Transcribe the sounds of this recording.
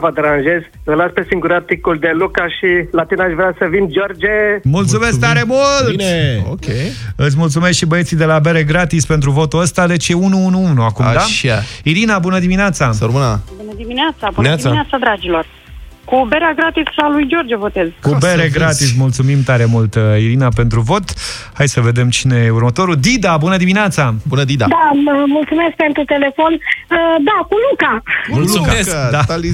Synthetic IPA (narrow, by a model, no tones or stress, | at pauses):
vəd̪eɾanʒe̞z | əlaspe̞siŋɡuɾat̪ikuld̪elukaʃilat̪inaʃvɾeasəvind͡ʒord͡ʒemult̪sume̞sk̚t̪aɾemultineo̰kʲeɨt̪sʲmult̪sumeskʃibəjesid̪e̞labe̞ɾeɡɾat̪ispe̞nt̪ɾuvo̞t̪uəst̪ad̪e̞t͡ʃjeunuunuunuakumad̪aaiɾinabunəd̪imineat̪saəɾmɨnabunəd̪imineat̪sabuaisaat̪sad̪ɾad͡ʒilo̞r | kubeɾeaɡɾat̪issalujd͡ʒo̞rd͡ʒevo̞t̪e̞zkubeɾeɡɾat̪is̬mult̪sumimt̪aɾemult̪iɾinape̞nt̪ɾuvo̞t̪ | hajsəve̞d̪e̞mt͡ʃine̞jeuɾmət̪o̞ɾud̪id̪abunəd̪imineat̪sabunəd̪id̪ad̪aəmult̪sumesk̚pe̞nt̪ɾut̪e̞le̞fo̞nəd̪akulukaulued̪ali